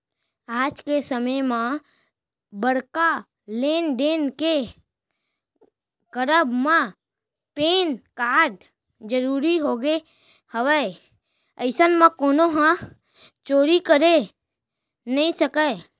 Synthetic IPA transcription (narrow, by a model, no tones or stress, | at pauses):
aːd͡ʒkesəməjmã | bəɽka | leːnɖ̪eːnke | kəɾəbmã | peːnkaːɖ | d͡ʒəɾuːɾiɦoːɡe | həʋə | əɪsənmãkoːnoɦã | t͡ʃoːɾikəɾe | nəĩsəkə